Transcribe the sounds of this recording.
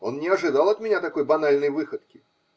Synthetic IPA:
o̞nnʲɪɐʐɨd̪alˠɐt̪mʲɪnʲat̪ɐko̞jbɐnalʲnəjvɨxət̪kʲɪ

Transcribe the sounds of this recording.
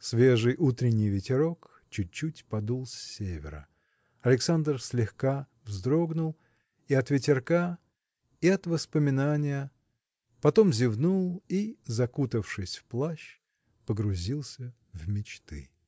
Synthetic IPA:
svʲe̞ʐɨjʔut̪ɾʲɪnʲːɪjvʲɪtʲɪɾo̞k | t͡ɕʉt͡ɕːutʲpɐd̪ulˠsʲːevʲɪ̰ɾə̰ | ɐlʲɪksand̪rsʲlʲɪxka | vzd̪ɾo̞ɡnʊlˠ | iɐt̪vʲɪtʲɪrka | iɐt̪vəspəmʲɪnanʲɪjə | pɐt̪o̞mzʲɪvnulˠizɐkut̪əfʂɨsʲfplˠaɕ | pəɡɾʊzʲilˠsʲə | vmʲɪt͡ɕt̪ɨ̰

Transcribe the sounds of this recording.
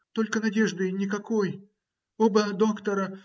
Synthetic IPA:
t̪o̞lʲkənɐdʲe̞ʐd̪ɨnʲɪkɐko̞j | obəd̪o̞kt̪əɾə

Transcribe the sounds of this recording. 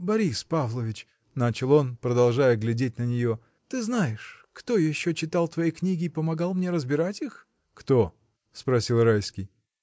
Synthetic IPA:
bɐɾʲispavlˠəvʲɪt͡ɕ | nat͡ɕɪlˠo̞npɾəd̪ɐlˠʐajəɡlʲɪdʲetʲnənʲɪjo̞ | t̪ɨznajɪʂ | kt̪o̞jɪɕːot͡ɕɪt̪ɑlˠt̪vɐjejknʲiɡʲɪːpəmɐɡɑlˠmnʲe̞ɾəzbʲɪɾatʲix | kt̪o̞ | spɾɐsʲilˠɾajskʲɪj

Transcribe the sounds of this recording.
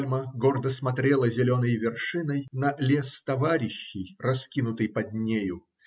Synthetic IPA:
lʲməɡo̞rd̪əsmɐt̪ɾʲelˠəzʲɪlʲo̞nəjvʲɪrʂɨnəjnɐlʲe̞st̪ɐvaɾʲɪɕːɪjrɐskʲinʊt̪ɨjpɐd̪ʲnʲejʊ

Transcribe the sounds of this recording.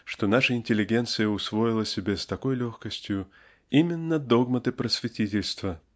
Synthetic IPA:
ʂt̪o̞naʂəɪnʲtʲɪlʲɪɡʲe̞nt̪sɨjəʊsvo̞jɪlˠəsʲɪbʲest̪ɐko̞jlʲoxkəsʲtʲjʊ | imʲɪnːəd̪o̞ɡmət̪ɨpɾəsʲvʲɪtʲitʲɪlʲst̪və

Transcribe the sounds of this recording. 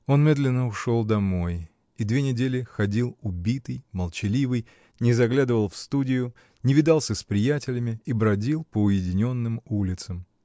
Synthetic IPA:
o̞nmʲe̞d̪lʲɪnːəʊʂo̞lˠd̪ɐmo̞j | id̪vʲe̞nʲɪdʲelʲɪxɐdʲilˠʊbʲit̪ɨjməlˠt͡ɕɪlʲivɨj | nʲɪzɐɡlʲad̪ɨvəlˠfst̪udʲɪjʊ | nʲɪvʲɪd̪ɑlˠsʲəspɾʲɪjætʲɪlʲɪmʲɪibɾɐdʲilˠpəʊjɪdʲɪnʲo̞nːɨmulʲɪt̪səm

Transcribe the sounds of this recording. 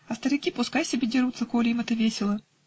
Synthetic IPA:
ɐst̪əɾʲɪkʲipʊskajsʲɪbʲedʲɪɾut̪səkolʲɪimɛt̪əvʲesʲɪlˠə

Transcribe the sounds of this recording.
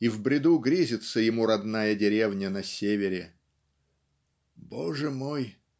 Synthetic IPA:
ivbɾʲɪd̪uɡɾʲizʲɪt̪səjɪmuɾɐd̪najədʲɪɾʲevnʲənɐsʲevʲɪɾʲɪ | boʐɨmoj

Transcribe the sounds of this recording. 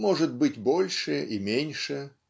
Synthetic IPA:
mɔʐɨt̪̚bɨtʲbolʲʂɨʔimʲenʲʂɨ

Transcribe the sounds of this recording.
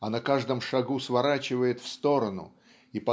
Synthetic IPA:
ɐnɐkaʐd̪ɨmʂɐɡusvɐɾat͡ɕɪvəjɪt̪fst̪o̞ɾənʊ̰ | ipɐ

